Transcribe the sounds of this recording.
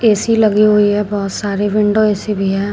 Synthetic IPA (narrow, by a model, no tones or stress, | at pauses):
eːsilɐɡiɦoiɦɛbɔːt̪saːɾeʋɪ̃ɳɖoeːsibʱiɦɛː